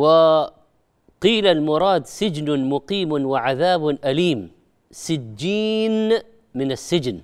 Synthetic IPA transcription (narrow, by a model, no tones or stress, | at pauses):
wɪ | qiːlalmʊɾˤɑːd̪sɪd͡ʒnmʊqiːmwɪʕaðaːbʔaliːm | sɪd͡ʒːiːn | mɪnasːɪd͡ʒn